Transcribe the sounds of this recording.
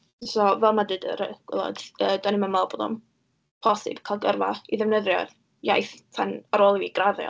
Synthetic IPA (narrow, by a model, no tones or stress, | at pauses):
sɔvɛlˠmadɨdə̰ɾəɡ̥wɛ̰lˠɔ̰dəːdanɪməmalˠboːdɔ̰m | pʰɔsɪ̰b̥kʰalˠɡərvaiðɛvnəðjɔ̰ð | jajθtʰanaɾoːlˠiviɡ̥raðjɔ̰